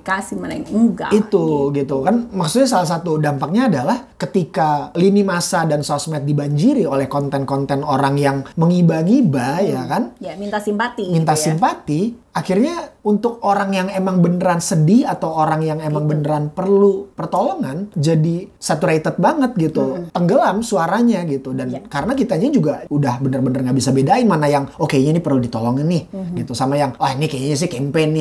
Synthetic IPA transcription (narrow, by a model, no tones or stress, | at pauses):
kasimanaɡa̰it̪uɡit̪ukanmaksut̪̚ɲas̬alas̬at̪udampak̚ɲaːdalahkət̪ikalinimasadansɔsmɛt̪̚dibaɲd͡ʒiɾiolɛhkɔnt̪ɛnkɔnt̪ɛnoɾaŋjaŋməŋibaŋibajakanjamint̪asimpat̪imint̪asimpat̪i | axirɲaunt̪ʊk̚oɾaŋjaŋemaŋbənəɾansədiat̪awoɾaŋjaŋemaŋbənəɾanpərlupərt̪oloŋand͡ʒadisat̪uɾait̪ət̪̚baŋət̪̚ɡit̪ut̪əŋɡəlamsuaɾaɲaɡit̪udankaɾənakit̪aɲad͡ʒuɡaudahbənərbənərŋɡabisabedaimanajaŋokeɲanipərludit̪oloŋanːɪhɡit̪usamajaŋanikeɲaɲas̬ɪhkɛmpen